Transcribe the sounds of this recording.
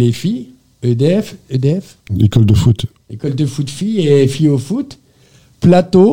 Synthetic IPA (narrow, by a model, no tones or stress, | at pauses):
lefij | ød̪eɛfød̪eɛf | ḛkɔld̪əfut̪ | ekɔld̪əfut̪fijefijofut̪ | plat̪o